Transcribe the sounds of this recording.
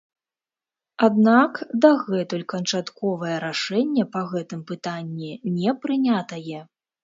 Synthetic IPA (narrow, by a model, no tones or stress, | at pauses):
ad̪̚nakd̪ɐɣɛt̪ulʲkɐnt͡ʂat̪kɔvɐjɛɾaʂɛnʲːɛpɐɣɛt̪ɨmpɨt̪anʲːinʲɛpɾɨnʲat̪ɐjɛ